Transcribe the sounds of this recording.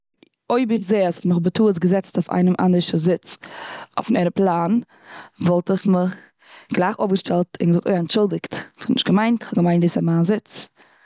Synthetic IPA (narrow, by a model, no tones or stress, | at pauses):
oɪbɪχzeːastməχbətuːəsɡəzɛt͡staʊfa̰ɪnəmʔa̰ndəɾʃəzɪt͡so̰fnɛɾəplˠaːn | vɔlˠtɪχməχ | ɡ̥lˠaɪχofɡəʃtɛlˠtʰɪnɡəzʊk̚to̰ɪɛntʃʊlˠdɪktχɔnɪ̰ʃtɡ̥əmaɪntχɔɡəmaɪndiːsamaːnzɪt͡s